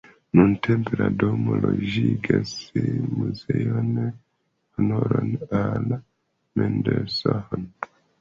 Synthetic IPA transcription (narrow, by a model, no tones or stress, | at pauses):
nuntʰempeɾadomoloʒiɡasemuzejone | honoɾonala | mendesahon